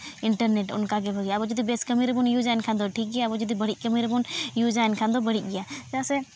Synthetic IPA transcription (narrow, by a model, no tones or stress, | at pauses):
ɪɳʈəɾneːʈʊ̰nkaɡebʱəɡjabod͡ʒud̪ibeːskəmiːɾbunjud͡ʒaːnkʰãnd̪oʈʰiːk̚ɡijabod͡ʒud̪ibəɽiʔ̚kəmiɾbunjud͡ʒaːnkʰãnd̪obəɽ̤iɡɪjaːd͡ʒaːse